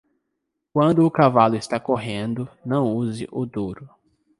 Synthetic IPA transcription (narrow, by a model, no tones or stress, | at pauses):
kwɐ̃nd̪ʊːkavalʊɪst̪akoɦẽnd̪ʊnɐ̃w̃uzɪ̰ʔʊd̪uɾʊ